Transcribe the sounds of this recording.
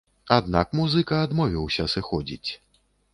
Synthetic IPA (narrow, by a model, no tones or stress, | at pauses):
ad̪nakmuzɨkɐːd̪mɔvʲiwsʲɐsɨxɔd͡zʲḭt͡sʲ